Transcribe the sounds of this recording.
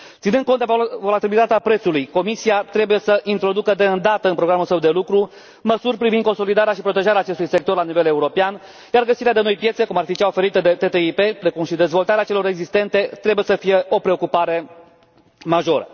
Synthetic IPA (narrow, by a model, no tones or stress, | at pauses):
t̪sinɨn̚konvo̞lat̪ibilit̪at̪eapɾe̞t̪sulujko̞misiat̪ɾebuje̞səʔint̪ɾo̞d̪ukəd̪e̞ɨnd̪at̪əɨnpɾo̞ɡɾamulsəwd̪e̞lukɾu | məsurʲpɾivind̪ko̞nso̞lid̪aɾeaʃipɾot̪e̞ʒaɾeaːt͡ʃe̞st̪ujse̞kt̪o̞rlanive̞le̞uɾo̞pean | jarɡəsiɾead̪e̞no̞jpje̞t̪se̞kumarfit͡ʃaofe̞ɾit̪əd̪e̞t̪e̞t̪eipe̞pɾe̞kumʃid̪e̞zvo̞lt̪aɾeat͡ʃe̞lo̞ɾeɡzist̪e̞nt̪e̞t̪ɾe̞buje̞səfije̞ʔo̞pɾe̞o̞kupaɾe̞ | maʒo̞ɾə̰